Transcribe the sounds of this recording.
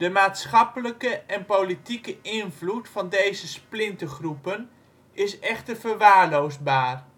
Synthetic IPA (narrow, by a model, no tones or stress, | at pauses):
d̥əmaːtsχɑpələkəʔɛnpolitikəʔɪnvlutfɑndejzəsplɪntəχrupən | ɪsɛχtərvərʋaːɹlowzbaːr